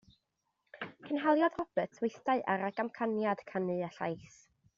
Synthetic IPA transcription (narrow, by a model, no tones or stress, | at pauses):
kʰənɦalˠjað̥rɔb̥ətʰwɪjθtaɨʔaɾaɡamkʰanjad̥kʰanɨaɬa̰jθ